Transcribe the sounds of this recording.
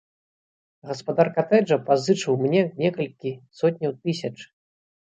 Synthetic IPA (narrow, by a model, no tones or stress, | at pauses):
ɣɐspad̪arkat̪ɛd͡ʐɐpazɨt͡ʂɨwmnʲɛnʲɛkɐlʲkʲisɔt̪̚ʲnʲɐwt̪ɨsʲɐt͡ʂ